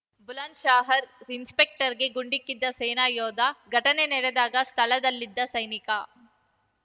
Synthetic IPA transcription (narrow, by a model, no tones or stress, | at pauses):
bulaːnʃaːɦɐɾinspek̚ʈɐɾɡe̞ɡuɳɖikːid̪ːɐseːnaːjɔːd̪ɐɡʱɐʈɐnenɛɽed̪aːɡɐst̪ʰɐɭɐd̪ɐlːid̪ːɐsɐjnikɐ